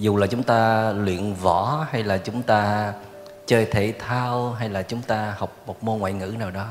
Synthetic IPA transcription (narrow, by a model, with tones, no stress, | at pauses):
zu˨˩laː˨˩t͡ɕʊ˨˦ŋ͡mt̪aː˧lwḭ˧˨ənvɔ˧˩ha˧jlaː˨˩t͡ɕʊ˨˦ŋ͡mt̪aː˧ | t͡ɕəː˧jt̪ʰḛ˧˩t̪ʰaː˧wɦa˧jlaː˨˩t͡ɕʊ˨˦ŋ͡mt̪aː˧ha˨˩wk͡p̚mo˨˩t̚mo˧ŋwa̰ː˧˨jŋɨ̰˧˥naː˨˩wɗɔ˨˦